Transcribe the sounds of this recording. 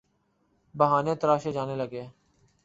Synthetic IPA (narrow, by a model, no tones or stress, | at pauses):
bəɦaːnẽːt̪əɾaːʃeːd͡ʒaːneːləɡeː